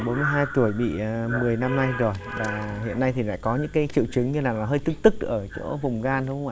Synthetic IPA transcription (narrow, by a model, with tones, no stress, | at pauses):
ɓo˨˦nmɨ˧əjɦaː˧jt̪u˧˩əjɓḭ˧˨mɨ˨˩əjna˧mna˧jzo˨˩jvaː˨˩hḭ˧˨ənːa˧jt̪ʰi˨˩la̰ː˧˥˨kɔ˨˦ɲɨ̰˧˥ŋkaː˨˦jt͡ɕḭ˧˨əwt͡ɕɨ˨˦ŋɲɨ˧laː˨˩laː˨˩ɦəː˧jt̪ɨ˦˥k̚t̪ɨ˦˥k̚ʔəː˧˩t͡ɕo̰˧˥vʊ˨˩ŋ͡mɣaː˧nhə˧wwaː˧˨